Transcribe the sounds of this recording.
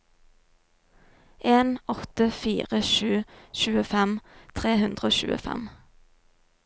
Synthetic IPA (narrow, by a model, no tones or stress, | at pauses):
ʔeːnɔt̪əfiːʁəʃʉːʃʉːəfɛmt̪ʰʁeːhʉnd̪ʁəoːʃʉ̰ːə̰fɛ̰m